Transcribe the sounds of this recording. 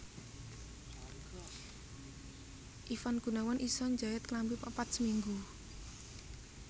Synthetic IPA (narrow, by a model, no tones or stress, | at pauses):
ʔifanɡ̥ṳnawanʔisɔɲd͡ʒaɛt̪̚klampipapat̪̚səmiŋɡu